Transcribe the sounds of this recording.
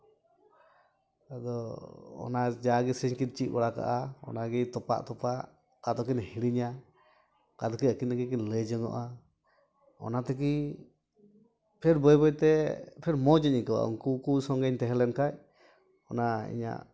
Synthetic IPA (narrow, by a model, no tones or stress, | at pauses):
ad̪ɔɔ̰nad͡ʒaɡɛsəɲkin̚t͡ʃit̪̚bɔɽaka̰ʔaɔ̰naɡɛt̪ɔpa̰ʔt̪ɔpaʔ | kad̪ɔkinhiɽiɲa | kad̪ɔkiəkinakik̬inləd͡ʒəŋɔ̰ʔa | ɔ̰nat̪ɛk̬i | pʰɛɾbɔjbɔjt̪ɛpʰɛɾmɔd͡ʒəɲikawa̰ṵŋkukusɔŋɡɛɲt̪ɛɦɛlɛnkac̚ | ɔnaḭɲa̰ʔ